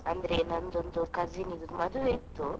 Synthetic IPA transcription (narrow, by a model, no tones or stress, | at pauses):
and̪ɾenand̪ond̪okaziniɡut̪umad̪uet̪o